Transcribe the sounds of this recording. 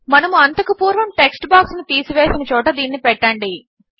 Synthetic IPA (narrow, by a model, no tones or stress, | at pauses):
mɐnɐmuɐnt̪ɐkupuːɾʋɐmʈe̞ksʈbaːksnit̪iːsuʋeːsinɐt͡ʃɔːʈɐd̪iːnːipɛʈːɐɳɖi